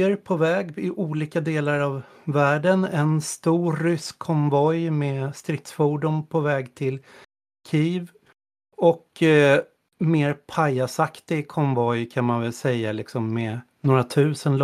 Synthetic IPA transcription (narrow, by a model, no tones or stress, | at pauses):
ɾpʰɔvɛːɡɪʔuːliːkad̪eːlaɾavː | æːɖənɛnst̪uːʏskʰːɔmvɔjmɛst̪ɾɪt̪sfuːɖʊmpʰɔvɛːɡt̪ʰɪl | kʰiːv | ɔk | meːɾpʰajasakt̪ɪɡkʰɔmvɔjkʰanmanvɛlsɛjːalɪksɔmːɛ | noːɾat̪ʰʉ̟ːsənl